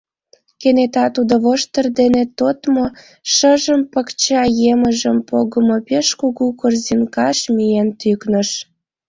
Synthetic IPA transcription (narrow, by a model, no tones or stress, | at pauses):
kenet̪ɑt̪ud̪oβoʃt̪ərd̪enet̪ot̪mo | ʃəʒəmpəkt͡ɕɑjeməʒəmpoɣəmopeʃkuɣukorzinkɑʃmijent̪yknəʃ